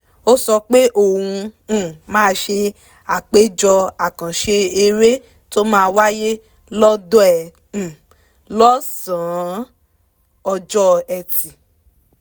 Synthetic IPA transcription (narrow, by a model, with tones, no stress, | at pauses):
o˦sɔ˧k͡pe˦ʔo˦˨hũ˧˦˨mãː˦ʃe˧ | a˨k͡pe˦d͡ʒɔ˧a˨kã˨ʃe˧e˧ɾe˦ | to˦mãː˦˧wa˦je˦ | lɔ˦dɔ˦ɛ̃˨ | lɔ˦sã˨˦ | ɔ˧d͡ʒɔ˦ɛ˨ti˨